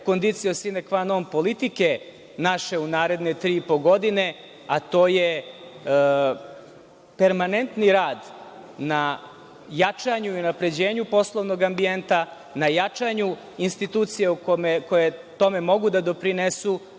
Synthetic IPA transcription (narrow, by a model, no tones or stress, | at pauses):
kond̪it̪sijosinekʋanompo̞lit̪ike̞ | naʃe̞unaːɾe̞d̪ne̞t̪ɾiːipoɡo̞d̪ine̞ | at̪o̞ːje | pe̞ɾmane̞nt̪niɾaːd̪ | na | jat͡ʂaɲuiunapɾe̞d͡ʑe̞ːɲupo̞slˠo̞ʋno̞ɡambie̞nt̪a | najat͡ʂaɲu | inst̪it̪uːt̪sijeukomekojet̪o̞me̞mo̞ɡud̪ad̪o̞pɾinesu